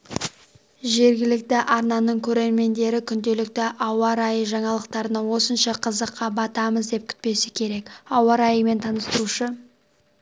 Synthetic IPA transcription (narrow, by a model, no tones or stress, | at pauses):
ʒe̞ɾɡʲɪlɪk̚t̪ɪʔɑɾnɑnəɴkʲʰɵɾe̞ɾme̞nd̪e̞ɾɪkʲʰʏnd̪e̞lɪk̚t̪ɪʔɑwɑɾɑjəʒɑɴɑlˠəq̚t̪ɑɾənɑwo̞sənʃɑqʰəzəqːɑbɑt̪ɑməzd̪e̞p̚kʲʰʏ̥t̪̚pe̞sɪkʲʰe̞ɾe̞kɑwɑɾɑjəme̞nt̪ʰɑnəst̪əɾuʃə